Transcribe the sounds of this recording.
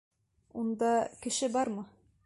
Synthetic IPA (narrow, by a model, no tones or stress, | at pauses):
und̪ɑkɘ̆ʃɘbɑɾmɤ